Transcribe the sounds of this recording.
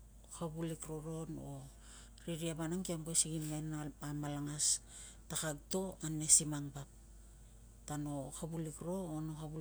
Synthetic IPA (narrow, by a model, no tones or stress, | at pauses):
haβulikɾo̞ɾo̞no | ɾiɾiabanaŋkiambojsiɡimenaamalaŋas | takaɡ̚to̞anːe̞simaŋbap̚ | tano̞habulikɾo̞ːno̞haβu